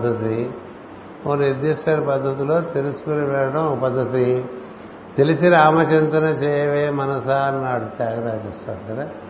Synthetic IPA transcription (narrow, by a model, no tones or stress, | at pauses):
d̪ːɐt̪i | oːned̪ːiːsaːɾipɐd̪ʱːɐt̪̬ulo̞ːt̪e̞lusu̥kuniʋɛɭːɐʈɐmpɐd̪ːɐt̪i | t̪elisiɾaːmɐt͡ʃɐnt̪ɐnɐt͡ʃɛːjɐʋeːmɐnɐsaːɾnaːʈut͡ʃaːɡɐɾaːd͡ʒɛːst̪a̰ːɽkɐd̪a